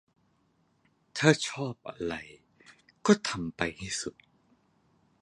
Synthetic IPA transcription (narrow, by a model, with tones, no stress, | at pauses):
t̪ʰaː˥˩t͡ɕʰɔː˥˩p̚ʔa̰˧ɾa˧j | kɔː˥˩t̪ʰa˧mpa˧jt̪ʰiː˥˩su˨˩t̪̚